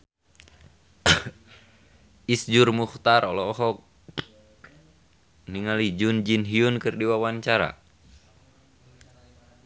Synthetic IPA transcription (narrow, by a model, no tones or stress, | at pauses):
isd͡ʒurmuht̪aɾɔlɔːɦɔk̚ | niŋalid͡ʒund͡ʒinɦiunkɨrdiwawaɲt͡ʃaɾa̰